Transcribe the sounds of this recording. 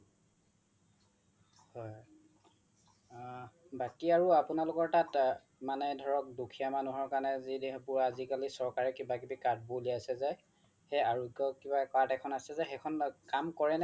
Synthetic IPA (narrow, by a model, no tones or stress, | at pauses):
hɔj | bakiaɹuapunalʊkɔɹtat | manɛdʱɔɹɔk̚dukʰijamanuɦɔɹkanɛzidbuɹazikalisɔɹkaɹɛkibakibikaɹd̚boliasɛzɛ | xɛaɹukɔkibakatɛkʰɔnasɛzɛxɛkʰɔnkamkɔɹɛnɛ